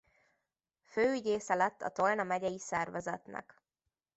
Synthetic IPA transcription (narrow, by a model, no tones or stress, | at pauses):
føːyɟeːsɛlɛt̪ːɒ̰t̪olnɒmɛɟɛjisɛrvɛzɛt̪nɛ̰k